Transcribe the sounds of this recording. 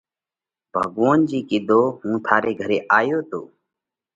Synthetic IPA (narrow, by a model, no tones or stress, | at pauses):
b̥ʱəɡʋoːnd͡ʒiːkɪd̪ʱoːɦũːt̪ʰaːɾeːɡʱəɾeːʔaːjoːt̪o̰ː